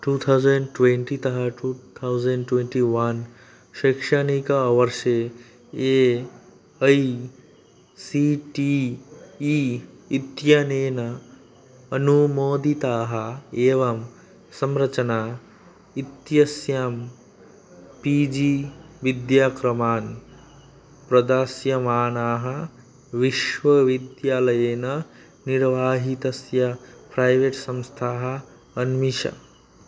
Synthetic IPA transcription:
ʈuːt̪ʰawzəɳɖʈwẽɳʈit̪ɐɦɐʈut̪ʰawzɐɳɖʈwẽɳʈiʋɐn | ʃɐkʂanikaʋɐɾʃe | e | ɐi | siʈiː | it̪janeːnɐ | ɐnumoːd̪it̪aɦɐeːʋɐm | sɐmɾɐt͡ʃɐna | it̪jɐsjaːm | piːd͡ʒiʋid̪jaːkɾɐmaːn | pɾɐd̪aːsjɐmaːnaːɦɐ̆ | ʋiʃʋɐʋid̪jaːlɐjeːnɐ | niɾʋaːɦit̪ɐsjɐpɾajʋeːʈsɐmst̪ʰaːɦɐ̆ | ɐnmiʃɐ̰

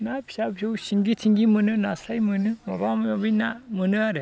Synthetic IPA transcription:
napʰi̥sabʰisɯwsiŋɡitʰiŋɡimɯnɯnasajmɯnɯmabammabɯjnamɯnɯaɾɯ

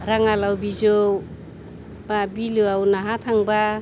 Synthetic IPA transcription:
ɾaŋalawbid͡ʒow | b̥abiluawnaɦatʰaŋba

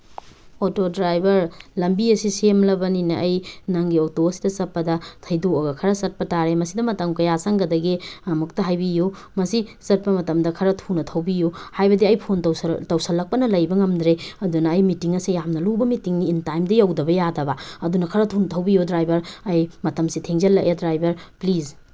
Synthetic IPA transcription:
otodɾajbʱɐɾlɐmbiɐsisemlɐbɐninɐʔːjnɐŋɡiotoɐsidɐsɐpːɐdɐtʰɐjdoɐɡɐkʰɐɾɐsɐt̚pɐtaɾemɐsidɐmɐtɐmkɐjasɐŋɡɐdɐɡiɐmuk̚tɐɦajbijo | mɐsisɐt̚pɐmɐtɐmdɐkʰɐɾɐtʰunɐtʰɐwbijohajbɐdiɐjpʰontɐwstɐwsɐlːɐk̚pɐnɐlɐjbɐŋɐmdɾeɐdunɐːjmitiŋɐsijamnɐlubɐmitiŋniːntajmdɐjawdɐbɐjadɐbɐɐdunɐkʰɐɾɐtʰunɐtʰɐwbijodɾajbʱɐɾɐjmɐtɐmsitʰeŋzɐlːɐkedɾajbʱɐɾpliz

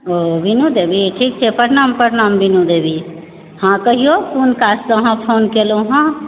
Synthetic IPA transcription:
obinud̪ebiʈʰik̚t͡ʃʰɛpəɾnampəɾnambinud̪ebi | hãkəɦiokunkasəəɦãpʰonkelũɦã

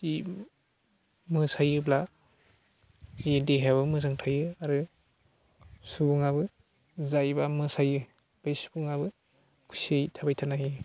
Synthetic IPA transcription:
i | mɯsajɯbla | zideɦaβɯmɯzaŋtʰajɯaɾɯ | subuŋabɯ | zajbamɯsajɯ | b̥ajsu̥buŋabɯ | kʰusejtʰabajtʰanaɦi

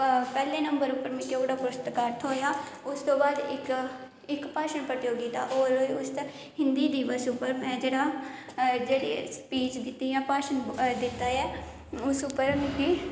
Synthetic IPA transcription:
pɛːlẽːnəmbəɾʊpːəɾmɪkjoɡɽaːpʊɾst̪kəɾt̪ʰɦoːjaːʊst̪õːbaːd̪ɪk | ɪkpaːʃəɳpɾət̪joːɡiːt̪aːʔoːɾʊs | hɪnd̪iːd̪iːʋəsʊpːəɾmɛ̃ːd͡ʒeːɽaː | d͡ʒeːɽḛːspiːt͡ʃd̪ɪt̪ːiːjãːpaːʃənd̪ɪt̪ːaːjɛː | ʊsʊpːəɾmɪkiː

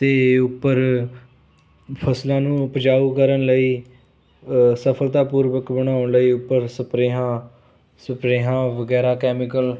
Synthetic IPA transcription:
t̪eːʊpːəɾ | pʰəslãːnũːpəd͡ʒaːuːkəɾəɳləiː | səpʰəlt̪aːpuːɾʋəkbəɽ̃aːəɳləiːʊpːəɾsəpɾeːɦãː | səpɾeːɦãːʋəɡɛːɾaːkɛːmɪkəl

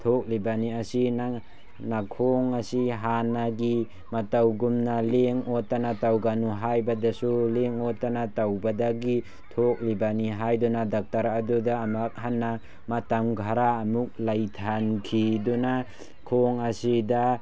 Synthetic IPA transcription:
tʰok̚libaniasina | nakʰoŋasiɦanaɡi | matawɡumnaleŋɔtanatawɡanuɦajbadasuleŋɔtanatawbadaɡi | tʰok̚libaniɦajdunadak̚taɾadudaːmak̚ɦanːa | matamɡʱaɾaːmuk̚lajtʰankʰiduna | kʰoŋasida

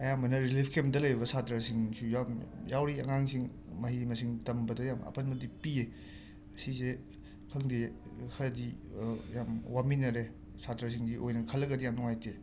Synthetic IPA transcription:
ɐjamɐnɐɾilipʰkʰemdɐlɐjɾibɐsatɾasiŋsujamjawɾiɐŋaŋsiŋ | mɐɦimɐsiŋtɐmbɐdɐjamɐ̰pʰɐnmɐdipie | sise | kʰɐŋdehɐɾdijamwaminɐɾe | satɾas̬iŋɡiʔojnɐkʰɐlːɐkɡɐdijamnɔŋajtʰe

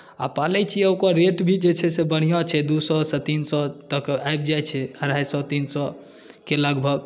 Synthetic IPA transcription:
a̰palɛt͡ʃʰiəkɔɾeʈbʱid͡ʒet͡ʃʰɛsebəɽ̤ijɔt͡ʃʰɛd̪usɔset̪insɔt̪əkajb̚d͡ʒajt͡ʃʰɛəɾajsɔt̪insɔ | keləɡbʱəɡ

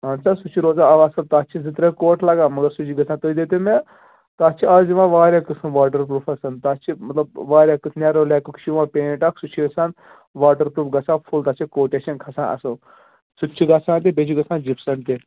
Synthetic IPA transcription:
ɦɐnsasut͡ʃʰiɾoːzaːɐʋɐsɐlt̪at͡ʃʰizit̪ɾekoːʈʰlɐɡaːmɐɡəɾsut͡ʃʰiɡɐt͡sʰãːt̪oid̪eːt̪emẽ | t̪aːt͡ʃʰiaːziʋãːʋaːɾjaːkɨsɐnʋaːʈəɾp̬ɾuːfʰɐsɐnt̪aːt͡ʃʰimɐt̪lɐb̚ʋaːɾjaːksʰnaɾoːlɛːkukʰʃiʋãːpẽːnʈɐkʰsut͡ʃʰiɡɐsan | ʋaːʈəɾpɾuːfɡɐt͡sʰãːpʰult̪aːt͡ʃʰikoːʈet͡ʃɐnkʰɐsã̰ːʔɐ̰so | sut͡ʃʰiɡasʰãːnt̪̬ebet͡ʃʰiɡɐsʰãːnd͡ʒipsɐnt̪e

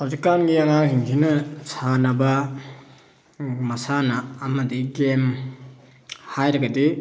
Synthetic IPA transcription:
hawzikːanɡiaŋaŋsiŋkʰinɐsʰanɐbɐ | mɐsanaːmɐdiɡem | hajɾɐɡɐdi

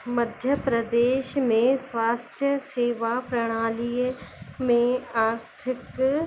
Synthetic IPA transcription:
mɐd̪ʱjəpɾɐd̪eːʃmẽsʋaːst̪ʰjəseːʋapɾɐɽ̃aːlijmẽaːɾtt̪ʰɪk

